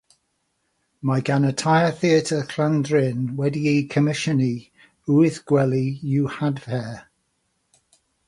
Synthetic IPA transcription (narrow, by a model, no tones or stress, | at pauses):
maɡanətʰajəθiətʰəkʰl̥andɹɪnwɛdiejkʰəmɪʃəni | uɪθɡ̥wɛlˠijuhadvɛ